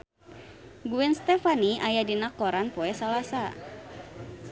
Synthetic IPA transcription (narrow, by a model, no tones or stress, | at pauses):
ɡuɛnst̪ɛfaniʔajadinakoɾanpoɛsalasa